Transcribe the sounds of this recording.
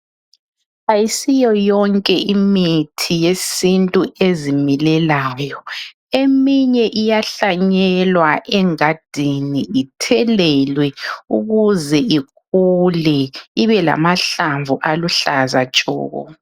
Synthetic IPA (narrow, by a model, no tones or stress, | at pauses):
ajisijɔjɔŋkʼɛʔimitʰijesintʼuezimilɛlaːjɔ | emiɲɛʔijaɬaɲɛlwaʔɛŋad̥ʱiniːtʰɛlɛlwɛṵɣuzɛʔik | ulɛiβɛla̰maɬaɱvuʔaluɬazat͡ʃʼɔ̰ːɣɔ̰